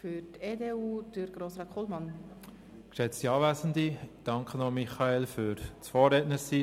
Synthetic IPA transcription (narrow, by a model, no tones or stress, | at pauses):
fyɾteːdeːuːd̥əɾɡ̥ɾosɾɑːtʰχolmɑn | kʃɛt͡stiɑːvæsəndid̥ɑŋkʰənɔmiχɑelfyɾt͡sfɔːɾɛtnəɾsiː